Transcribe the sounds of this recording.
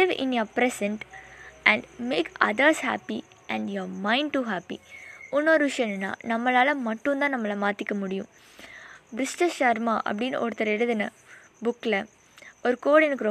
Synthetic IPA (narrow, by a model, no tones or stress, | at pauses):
lɪʋɪ̰̃njoːpɾɛsɛɳʈʔɛ̃ɳɖmeːkɐ̰d̪ɐɾshæ̰ːpi | ʔɛ̃ɳɖjoːɾmãɪ̃ɳɖ̚ʈuːɦæːpḭʊnːɔɾɯʋɪʂɐjɐnɛnːa̰ːnɐmːɐlaːlɐmɐʈːũnd̪ãːnɐmːɐlɐmaːɾt̪ɪkʲːɐmʊɽɪjṵ̃ | bɾɪsʈɐʃɐɾmaːʔɐ̰p̬ːɐɽinʔɔɾɯt̪ɐɾɛɽɯðɐnɐ | bʊkːɪlɐ | ɔɾɯkoːɽɛnɯkːɯɾ